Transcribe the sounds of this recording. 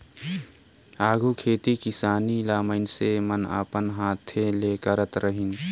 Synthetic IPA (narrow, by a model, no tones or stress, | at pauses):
aːɡʱuːkʰeːt̪ikɪsaːnilaːməɪnseməna̰ːpənɦaːt̪ʰːeleːkəɾət̪ɾəɦɪn